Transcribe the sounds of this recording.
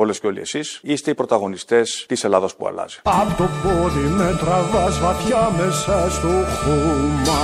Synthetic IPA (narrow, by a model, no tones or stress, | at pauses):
olesceo̞lḭḛsisist̪eipɾo̞t̪ɐɣo̞nist̪e̞st̪ise̞lɐðɐspṵɐ̰lɐ̰zi̥ɐpt̪opoɾimet̪ɾɐvɐzvɐt̪çɐmesɐst̪oxumɐ